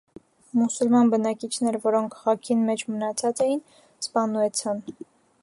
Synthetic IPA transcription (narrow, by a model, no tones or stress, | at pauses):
musulmɑnbənɑkit͡ʃʰnɛɾvɔɾɔŋkʰχɑkʰinmɛt͡ʃʰmənɑt͡sʰɑt͡sɛjin | spɑnuɛt͡sʰɑn